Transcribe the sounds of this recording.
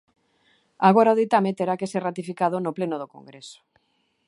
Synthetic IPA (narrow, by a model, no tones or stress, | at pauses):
aɣoɾaoðit̪amet̪eɾakeserat̪ifikaðʊnoplenoðoko̰ŋɡɾeso̥